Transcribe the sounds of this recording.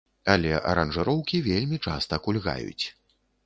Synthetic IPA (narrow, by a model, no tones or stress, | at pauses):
ɐlʲɛʔɐ̰ɾɐnʐɨɾɔwkʲivʲelʲmʲit͡ʂast̪ɐkulʲɣa̰jṵt͡sʲ